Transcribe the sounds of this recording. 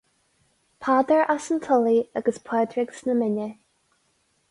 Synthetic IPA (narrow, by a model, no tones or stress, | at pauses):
pʰaːd̪əɹʔasəntʰəliaɡəspʰɛːd̪ɹɪɡsnəmɪnə